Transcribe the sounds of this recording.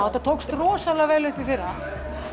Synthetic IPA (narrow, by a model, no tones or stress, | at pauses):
awt̪at̪ʰowkst̪rɔːsalaɣveːjlʏhpifɪɾa